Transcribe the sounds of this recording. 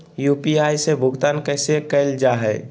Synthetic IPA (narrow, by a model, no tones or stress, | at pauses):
juːpiaːjsebʱʊɡt̪aːnkɛɪsekəld͡ʒaɦɛː